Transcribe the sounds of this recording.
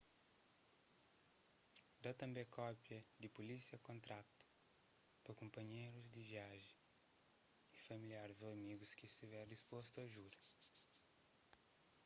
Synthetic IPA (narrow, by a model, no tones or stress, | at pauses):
d̪at̪ɐ̃mbɛ̃kʰɔpjɐd̪ɪpulisiɐkõnt̪ɾat̪u̥ | pɐkõmpɐɲejɾuzd̪iviaʒẽ | ifɐmiliaɾɪzoɐmiɡuskɪst̪ivɛɾdispost̪uɐʒuɾɐ